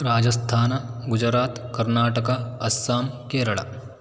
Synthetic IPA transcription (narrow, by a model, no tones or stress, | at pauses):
ɾaːd͡ʒɐst̪ʰaːnɐɡud͡ʒɾaːt̪kɐɾnaːʈəkaɐsːaːmkeːɾɐɭa̰